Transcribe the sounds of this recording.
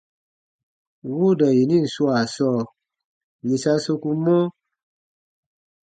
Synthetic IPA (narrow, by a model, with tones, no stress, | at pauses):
wo˦dɔ˨je˨nĩ˦˨n̩˨su˧˦a˨sɔ˧˨ | je˨sa˧˦so˧ku˧mɔ̃˦